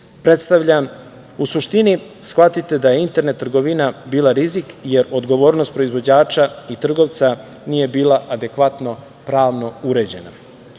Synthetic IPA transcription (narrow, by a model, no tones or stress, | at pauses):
pɾet̪st̪aʋʎam | usuʃt̪inisxʋat̪it̪e̞d̪aje̞int̪e̞ɾne̞t̪ːr̩ɡo̞ʋinabiːlˠaɾizikje̞ɾo̞d̪ɡo̞ʋo̞ːɾno̞st̪̚pɾo̞izʋo̞d͡ʑaːt͡ʃait̪r̩ɡo̞ʋt̪sa | niːje̞biːlˠaʔad̪e̞kʋat̪no̞ | pɾaːʋno̞uɾe̞d͡ʑe̞na